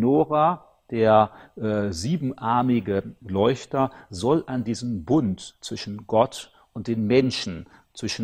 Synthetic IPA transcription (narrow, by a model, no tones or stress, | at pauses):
noːʁa | d̥eːɐʔziːbm̩ʔaɐmɪɡəlɔʏçtɐzɔlʔandiːzəmbʊntt͡sv̥ɪʃn̩ɡɔt | ʔʊnt̚d̥eːnmɛnʃn̩ | t͡sv̥ɪʃn̩